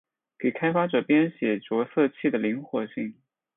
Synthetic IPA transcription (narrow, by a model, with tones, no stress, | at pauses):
ke˨˩ɪkʰa˥ɪfa˥ʈ͡ʂɤ˨˩pjɛ˥nɕjɛ˨˩ʈ͡ʂwɔ˧˥sɤ˥˧t͡ɕʰi˥˩d̪ə˩li˧˥ŋxwɔ˨˩ɕi˥˩ŋ